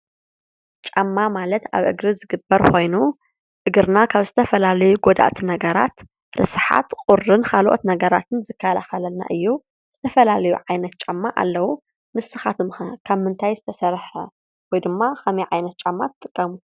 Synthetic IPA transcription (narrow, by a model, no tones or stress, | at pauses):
t͡ʃʼamːamalɐt̪a̰βʔɨ̰ɡɾɨzɨɡɨbːɐɾkʰo̞jnu | ʔɨɡɨɾnakʰaβzɨt̪ʰɐfɐlalɐjuɡod̪a̰ʔt̪ʰinɐɡɐɾa̰t̪ | ɾɨ̰sɨħa̰t̪qʼʊrɨnxʰalʔo̰t̪nɐɡɐɾat̪ʰɨnzɨkʰːalaxɐlɐlna̰ʔɨjːu | z̥ɨt̪ʰɐfɐlalɐjuʕajnɐt̪̚t͡ʃʼamːaʔa̰lːɐwu | mɨsːɨxat̪ʰumɐkʰaβmɨnt̪ʰajzɨt̪ʰɐsɐɾħɐ̰ | wɔjd̪ɨmːaxɐmiʕajnɐt̪̚t͡ʃʼamːat̪ʰɨt̪ʼːɨkʼːɐmu